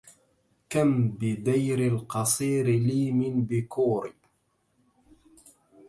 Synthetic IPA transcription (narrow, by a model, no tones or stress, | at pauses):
kambɪd̪ajɾɪlqɑsˤiːɾliːmɪnbɪkuːɾ